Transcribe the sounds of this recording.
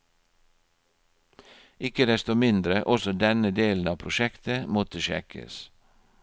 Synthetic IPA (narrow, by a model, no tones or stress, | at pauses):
ɪkəd̪ɛst̪omɪnd̪ɾəʔɔsɔd̪ɛnəd̪eːln̩ɑːpʰɾʊʃɛkt̪əmɔt̪əʃɛ̰kʰə̰s